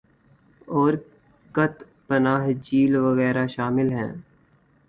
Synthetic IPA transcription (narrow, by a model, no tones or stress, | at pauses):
ɔːɾ | kət̪ | pənaːɦd͡ʒiːlʋəɣɛːɾaʃaːmɪlɦɛ̰̃ː